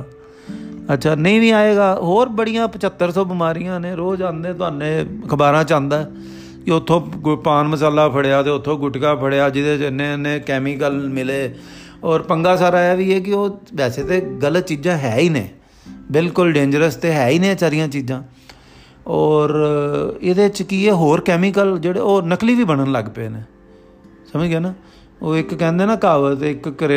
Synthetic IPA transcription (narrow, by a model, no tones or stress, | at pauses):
ətːʃʰaːnəĩːʋĩːaːeːɡaːɦoːɾbəɽijãːpət͡ʃət̪ːəɾsɔːbɪmaːɾijãːneːɾoːd͡ʒãːnd̪ẽːt̪ʊaːnẽːkʰəbaːɾãːt͡ʃãːnd̪aːɛ | kɪʊt̪ʰːõːpaːnməsaːlaːpʰəɽejaːt̪eːʊt̪ʰːõːɡʊʈkaːpʰəɽeaːd͡ʒɪd̪eːɪnːẽːnẽːkɛːmiːkəlmɪleː | ɔːɾpəŋɡaːsaːɾaːɛːʋiːeːk̬ɪoːʋɛːseːt̪eːɡələt̪t͡ʃiːd͡ʒãːɦɛːiːnḛ̃ː | bɪlkʊlɖẽːɲd͡ʒəɾəst̪eːɦɛːiːnẽːsaːɾɪjãːt͡ʃiːd͡ʒãː | ɔːɾ | ɪd̪eːt͡ʃkiːeːɦoːɾkɛːmikəld͡ʒeːɽḛːoːnəkliːʋiːbəɽ̃ənləɡpḛːneː | səməd͡ʒɡeːnaː | oːɪkːɛ̃ːnd̪eːnaːkaːʋət̪ɪkːɾe